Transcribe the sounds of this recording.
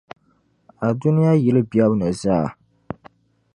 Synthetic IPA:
a˨dʊ˦nɪ˦ja˦jɪ˨lɨ˦bjɛ˦bnɨ˨zaː˦˨

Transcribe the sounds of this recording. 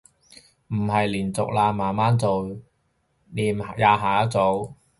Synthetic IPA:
m̩˨˩ɦɐ˨jliː˨˩nt͡sʊ̰˨k̚laː˧maː˨˩nmaː˥nt͡so˨w | niː˨˩m˨jaː˨˧ɦaː˨˩ɐ˥t͡so˨˧w

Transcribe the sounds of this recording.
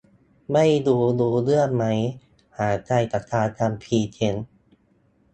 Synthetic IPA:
ma˥˩jduː˧duː˧lɯ˥˩ənma˦˥j | haː˩˦t͡ɕa˧˩jt̪a˨˩t̪ʰːaː˧t̪ʰa˧mpʰiː˧t͡ɕʰe˧n

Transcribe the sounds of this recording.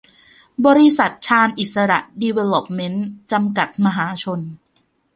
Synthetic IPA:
bɔː˧ɾi˧˥sa˨˩t̪̚t͡ɕʰaː˧nʔi˨˩t̪̚sa˧ɾa̰˨˩ʔdi˧we˧lo˨˩p̚me˦˥nt͡ɕa˧mka˨˩t̪̚ma˧ɦaː˩˦t͡ɕʰo˧n

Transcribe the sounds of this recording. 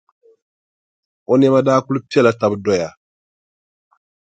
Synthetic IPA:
ɔ˦nɛ˦ma˦daː˦ku˦lu˦pi˦ɛ˦˨la˨ta˨bdɔ˦˨ja˨

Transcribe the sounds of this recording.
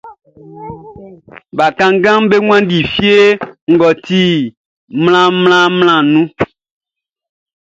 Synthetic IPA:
ba˨kã˦ŋ˦ɡã˦mbe˦ŋwã˦n˦di˨fi˦e˦ŋ̩˨ɡɔ˨ti˦ | mlã˦mlã˦ml̃ã˦˨nũ˦

